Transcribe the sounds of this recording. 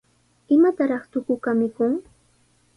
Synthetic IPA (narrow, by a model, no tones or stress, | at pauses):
ɪmat̪aɾɑχt̪ʊkʊkamɪkʊŋ